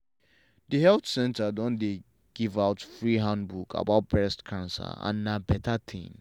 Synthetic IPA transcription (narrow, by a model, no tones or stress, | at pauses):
dəhɛlθsɛ̃ntadɔ̃nde | ɡ̥ivaʊtfɹiɦãndbukʰa̰baʊt̚bɹɛstkʰãnsa̰ã̰nːabɛtʰatʰḭ̃m